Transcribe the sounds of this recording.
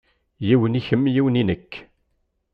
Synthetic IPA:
jiwəniçəmːjiwninəkː

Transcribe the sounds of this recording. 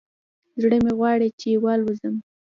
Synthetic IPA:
zɽəmeɣwɑɽet͡ʃewɑlwəzəm

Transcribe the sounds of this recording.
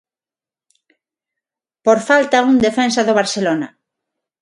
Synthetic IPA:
poɾfalt̪auŋd̪efɛnsaðoβ̞aɾselonɐ̰

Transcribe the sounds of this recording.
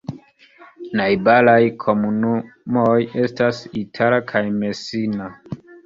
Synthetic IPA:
najbalajkʰo̞munumoje̞stasitʰalakʰajme̞sina

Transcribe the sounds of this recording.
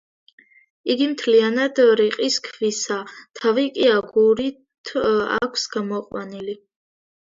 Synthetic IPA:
iɡimt̪ʰlianad̪ɾiqʼiskʰvisat̪ʰavikʼiaɡuɾi | t̪ʰa̰kʷʰsɡ̥amɔqʼwa̰nili

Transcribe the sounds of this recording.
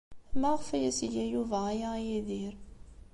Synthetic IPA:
mæʁfæjæsjæjuvæjajiðiɾ

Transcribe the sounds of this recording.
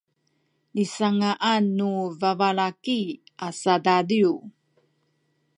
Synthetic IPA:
nisaŋaʔanːuvavaɭakiasadadiu

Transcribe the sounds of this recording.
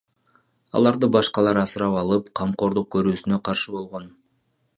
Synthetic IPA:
ɑ̰lˠɑɾd̪ɯbɑʃqɑlˠɑɾɑsɨɾɑpɑlˠɯpqʰɑmqo̞ɾd̪uq̚kʰɵɾyːsynø̞qʰɑɾʃɯbo̞lˠʁo̞n

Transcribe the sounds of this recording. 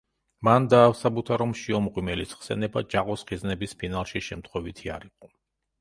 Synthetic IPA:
mand̪aːsabut̪ʰaɾɔmʃiɔmʁʼwimɛlisχsɛnɛbad͡ʒaqʼɔsχiznɛbispʰinalˠʃiʃɛmt̪ʰχwɛvit̪ʰia̰ɾiqʼɔ

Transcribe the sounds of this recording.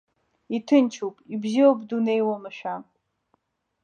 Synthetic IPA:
itʰɨnt͡ʃʰupʼibziwobdune̞jwamɨʃᶣa

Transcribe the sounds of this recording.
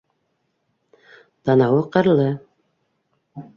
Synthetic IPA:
t̪ɑnɑwɤqɤ̆ɾlˠɤ

